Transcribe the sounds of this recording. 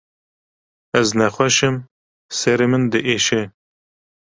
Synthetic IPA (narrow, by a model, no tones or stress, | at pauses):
ɛznɛxʷɛʃɨm | sɛɾemɨnd̪əʔeːʃe